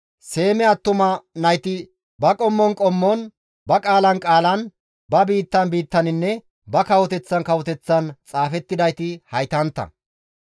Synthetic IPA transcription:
se̞ːmɛɐt̪ːʊmɐnɐjt̪ɪ | bɐkʼɔmːɔnkʼɔmːɔn | bɐkʼaːlɐnkʼaːlɐn | bɐbiːt̪ːɐnbiːt̪ːɐnɪnːɛ | bɐkɐwɔt̪ɛt͡sːɐnkɐwɔt̪ɛt͡sːɐnt͡sʼaːfɛt̪ːɪd̪ɐjt̪ɪhɐjt̪ɐnt̪ːɐ̰

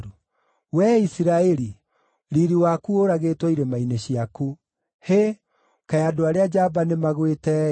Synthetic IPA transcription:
ɾu | wɛisiɾaɛɾi | ɾiɾiwakuoɾaɣetwɔiɾemaineɕiaku | he | kajadoaɾead͡ʑabanemaɣwetɛ

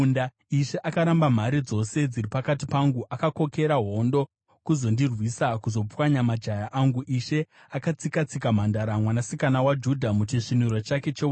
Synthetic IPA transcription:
nda | iʃe̞ʔakaɾambam̤aɾid͡zo̞se̞d͡ziripakatipaŋɡuʔakako̞ke̞ɾaɦo̞ndo̞ | kuzo̞ndirwisakuzo̞p͡fwaɲamad͡ʒajaʔaŋɡuʔiʃe̞ | akat͡sikat͡sikam̤andaɾamwanasikanawad͡ʒudʱamut͡ʃiʂinurot͡ʃake̞t͡ʃe

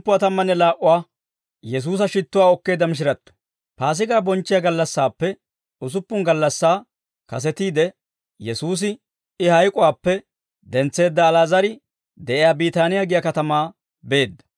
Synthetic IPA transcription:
pːʊwaːt̪ɐmːɐnːɛlaːʔʊwaː | jɛs̬uːs̬ɐʃɪt̪ːʊwaːɔkːe̞ːd̪ːɐmɪʃ̬ɪɾɐt̪ːɔ̥ | paːs̬ɪɡaːbɔnt͡ʃːɪjaɡɐlːɐsːaːpːɛ | ʊs̬ʊpːʊŋɡɐlːɐsːaː | kɐs̬ɛt̪iːd̪ɛ | jɛsuːs̬ɪ | ɪhɐjkʼʊwaːpːɛ | d̪ɛnt͡sːe̞ːd̪ːɐːlaːzɐɾɪ | d̪ɛʔɪjaːbiːt̪aːnɪjaɡɪjakɐt̪ɐmaː | be̞ːd̪ːɐ̥

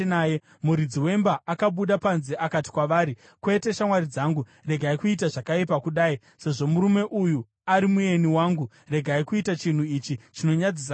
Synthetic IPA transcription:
naje | muɾid͡ziwe̞mbaːkaɓuɗapanzeʔakati̥kwaʋaːɾi | kwe̞te̞ʃamwaɾid͡zaːŋɡu | re̞ɡʱaikuitaʐakaipakuɗaːi | se̞ʐo̞muɾume̞ʔuju | aɾimue̞niwaːŋɡu | re̞ɡʱaikuitat͡ʃin̤uit͡ʃit͡ʃino̞ɲad͡zisa

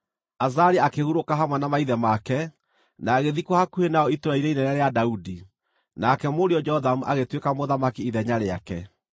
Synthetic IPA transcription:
azaɾiakehuɾokaɦamwɛnamaiðɛmakɛ | naːɣeðikwɔhakuhenaɔitoɾaiɾeinɛɾaɾeadaudi | nakɛmoɾeɔd͡ʒɛɔðamuʔaɣetwekamoðamakiiðɛɲaɾeakɛ

